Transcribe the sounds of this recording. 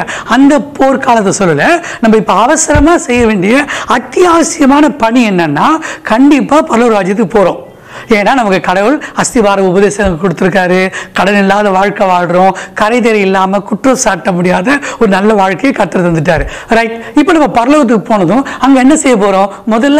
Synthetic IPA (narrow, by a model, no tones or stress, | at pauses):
ɐnd̪ɐpʰoːɾkaːlɐt̪ːɐsɔlːɯlɐnɐmːɐɪpːoɐʋɐsɐɾɐmaːsɛjːɐʋeːɳɖɪjɐɐt̪ːɪjaːɐsɪjɐmaːnɐpɐɳiɛnːɐnːaːkɐɳɖɪpːaːpɐɾɐloːɾaːd͡ʒɪjɐt̪ːɯkːɯpoːɾõː | eːnːaːnɐmɐkːɯkɐɽɐʋɯɭɐst̪ɪʋaːɾɐʊbɐðeːsɐnɐkːɐkːɔɽɯt̪ːɯɾɯk̬ːaːɾɯkɐɽɐʋlɪlːaːðɐʋaːɻkɐʋaːɻɯɾõːkɐɾɐɪðɛɾɐɪlːaːmɐkʊʈrɐsaːʈːɐmʊɽɪjaːðɐɔɾɯnɐlːɐʋaːɻkɐjɐkɐɾt̪ːɐɾɐt̪ɐnd̪ɯʈːaːɾɯɾɐɪʈɪpːoːnɐmːɐpɐɾɐloːɣɐt̪̬ːɯkːɯpoːnɐðʊ̃ɐŋɡɐɛnːɐsɛjːɐp̬oːɾõː | mʊðɐlː